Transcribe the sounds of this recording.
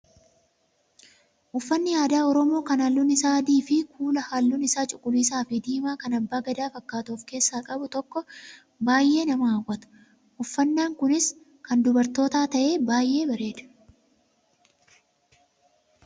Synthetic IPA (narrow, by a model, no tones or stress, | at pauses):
ʔʊfːɐnːɪjaːd̪aːɔɾɔmo̞ːkɐnɐlːʊnɪsaːd̪iːfɪkuːlɐhalːʊnɪsaːt͡ʃʼʊkʼːʊliːsaːfɪd̪iːmaːkɐnɐbːaːɡɐd̪aːfɐkːaːt̪oːfke̞ːsːaːkʼɐbʊt̪ɔkːɔ | baːjʔe̞ːnɐmɐɐwːɐt̪ʊ̥ | ʔʊfːɐnːaːŋkʊnɪs | kɐnd̪ʊbɐɾt̪o̞ːt̪aːt̪ɐʔe̞ːbaːjʔe̞ːbɐɾe̞ːd̪ɐ̥